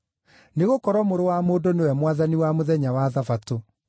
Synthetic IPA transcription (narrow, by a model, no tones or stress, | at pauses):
neɣokɔɾwɔmoɾowamoːdonewɛmwaðaniwamoðɛɲawaðafato